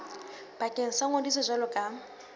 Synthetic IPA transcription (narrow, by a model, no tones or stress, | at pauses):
b̥akʼeŋ̩saŋodisɔzʷalʊkʼa